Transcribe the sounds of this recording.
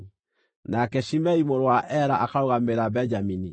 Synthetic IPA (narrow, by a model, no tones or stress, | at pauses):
nakɛʃimɛimoɾowaʔɛɾaʔakaɾoɣameɾabɛɲd͡ʒamini